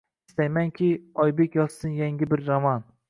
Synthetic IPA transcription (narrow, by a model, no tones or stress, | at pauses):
ɪst̪ajmaŋkʲʰɪɒjbekʲjɒssɪnjaŋʲɪbɪɾzamɒn